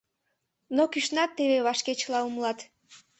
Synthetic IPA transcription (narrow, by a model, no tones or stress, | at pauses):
nokiʃnɑt̪ːeβeβɑʃket͡ɕlˠɑumlˠɑt̪